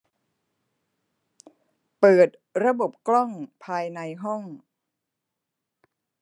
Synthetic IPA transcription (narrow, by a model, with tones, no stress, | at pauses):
pɤː˨˩t̪̚ | ɾa˧bo˨˩p̚klɔ˥˩ŋpʰaː˧jna˧jɦɔ˥˩ŋ